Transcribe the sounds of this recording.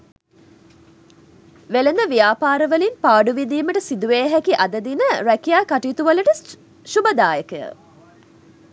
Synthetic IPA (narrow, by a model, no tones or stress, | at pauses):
ʋelend̪əʋijaːpaːɾəʋəlinpaːɖuʋid̪iːməʈəsid̪uʋeːɦækiʔɐd̪əd̪inəɾækijaːkaʈiːt̪uʋɐləʈə | ʃubəd̪aːjəkəjə̰